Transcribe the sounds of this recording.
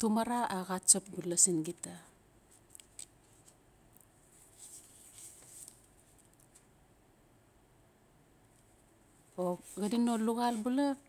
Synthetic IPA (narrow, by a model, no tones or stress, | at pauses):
tumaɾaaɣat͡ʃap̚bulasinɡita | oɡadinoluɣalbula